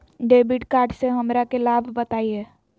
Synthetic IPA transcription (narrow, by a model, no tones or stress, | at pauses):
ɖeːbɪʈkaːɾɖseɦəmɾakelaːbʱbət̪aːieː